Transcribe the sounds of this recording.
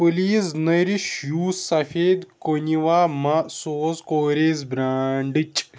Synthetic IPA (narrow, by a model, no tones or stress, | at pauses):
pɨliːsnɐɾiʃjuːssɐfeːd̪koniʋaːmɐsoːzkoːɾeːzbɾaːɳɖɨt͡ʃʼ